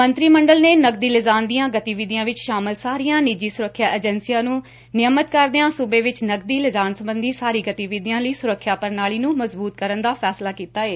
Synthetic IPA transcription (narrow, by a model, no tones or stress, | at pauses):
mənt̪ɾiːməɳɖəlneːnəɡ̚d̪iːlɪzaːnd̪ijãːɡət̪iːʋid̪ɪjãːʋɪt͡ʃʃaːmɪlsaːɾijãːnid͡ʒiːsʊɾəkʰːjaːʔeːd͡ʒənsijãːnũː | nɪəmət̪kəɾd̪eãːsʊbeːʋɪt͡ʃnəɡ̚d̪iːlɪzaːnsəmbənd̪iːsaːɾiːɡət̪iːʋid̪jãːləiːsʊɾəkʰːjaːpəɾnaːɭiːnũːməzbuːt̪kəɾənd̪aːpʰɛːslaːkiːt̪aːeː